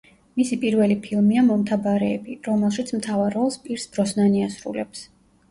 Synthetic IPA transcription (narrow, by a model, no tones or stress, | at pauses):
misipʼiɾvɛlipʰilˠmiamɔmt̪ʰabaɾɛːbiɾɔmɛlˠʃit̪sʰmt̪ʰavaɾɔlˠspʼiɾsb̥ɾɔsnaniasɾṵlɛps